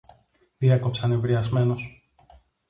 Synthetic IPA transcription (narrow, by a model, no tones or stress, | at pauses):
ðieko̞psɐnevɾiɐzme̞no̞s